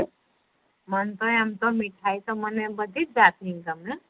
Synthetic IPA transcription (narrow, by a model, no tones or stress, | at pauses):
mʌnt̪ojamt̪omiʈʰajt̪omʌnebʌd̪ʱit̪̚d͡zat̪ʰiŋkʌmne